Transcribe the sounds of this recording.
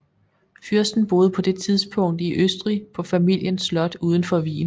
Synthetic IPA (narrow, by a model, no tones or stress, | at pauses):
fyɐ̰sd̥n̩b̥o̝ːð̞̩ˠəpʰɒ̽d̥e̝t͡sʰið̞ˠsb̥ʰɔ̽ŋ̰d̥iʔøsd̥ʁipʰɒ̽fæmil̰jənslɒ̽d̥uːð̞ˠn̩fɒ̽ʋḭːn